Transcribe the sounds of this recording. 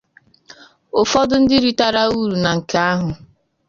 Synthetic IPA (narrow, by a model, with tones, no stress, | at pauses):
ʊ˨fɔ˦dʊ˦n̩˦dɪ˦ɾi˦ta˦ɾa˦u˦˨ɾu˨na˨ŋ̩˨ka˦a˦ɦʊ˨